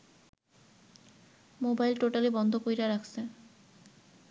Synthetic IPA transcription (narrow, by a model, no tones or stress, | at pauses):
mobajlʈoʈalebɔnd̪ʱokojɾaɾakʰse